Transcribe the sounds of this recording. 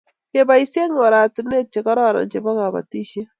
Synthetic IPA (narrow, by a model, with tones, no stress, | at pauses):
ke˦ba˨˦i˦sje˦ŋɔ˨ɾa˨tune˦t͡ʃe˨kɔ˦ɾɔ˦ɾɔ̰˨nt͡ʃe˨bɔ˦ka˨ba̰˨ti˦ʃe˦